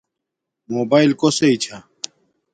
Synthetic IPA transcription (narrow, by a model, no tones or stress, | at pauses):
moːbaːilkoseit͡ɕʰa